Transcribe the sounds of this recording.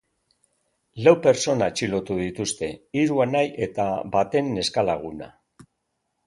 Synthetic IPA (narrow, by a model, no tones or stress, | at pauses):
lawpe̞ɾt͡so̞nat͡ʃilo̞t̪uðit̪ust̪e̞iɾuanajʔe̞t̪aβat̪e̞nːe̞skalaɣ̞una̰